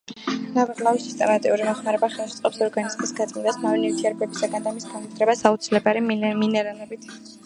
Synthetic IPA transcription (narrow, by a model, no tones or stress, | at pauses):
navaʁlˠavisist̪ʼɛmat̪ʼiuɾimɔχmaɾɛbaχɛlˠʃɛt̪sʼɔpsɔɾɡanizmisɡad̪zʼmid̪asmavɛnivt̪ʰiɛɾbɛbisaɡand̪amisɡand̪ɾɛbasaut̪sʰilɛbaɾiminɛɾalɛbit̪ʰ